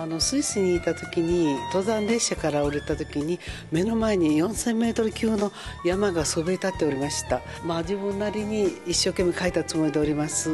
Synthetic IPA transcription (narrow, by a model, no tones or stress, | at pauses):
ano̞sɨisɨɲ̟iːt̪at̪o̞kʲiɲ̟it̪o̞zãnɾe̞ɕakaɾaoɾet̪at̪o̞kʲiɲ̟i | me̞no̞mae̞ɲ̟ijõ̞ɰ̃sẽ̞mːe̞ːt̪o̞ɾɯ̟kʲɨːno̞jamaɡasobeɾʲit̪at̪ːe̞o̞ɾʲimaɕi̥t̪a | mad͡ʑiβɯ̟̃nːaɾʲiɲ̟iːɕːo̞ːke̞mːekait̪at͡sɨmo̞id̪e̞oɾʲimasɨ